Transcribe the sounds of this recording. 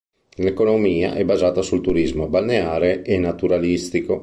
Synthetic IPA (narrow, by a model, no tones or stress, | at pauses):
lekonomiːa̰ʔɛbazaːt̪asult̪uɾizmobalneaːɾeʔenːat̪uɾalist̪iko